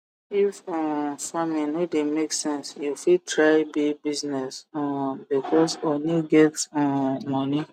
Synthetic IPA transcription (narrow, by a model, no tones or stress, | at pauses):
ifɔ̃famĩnodemeksɛ̃nsjufitʰɹaɪbibiznɛsbikʰɔsɔniɡɛtɔ̃mɔ̃ni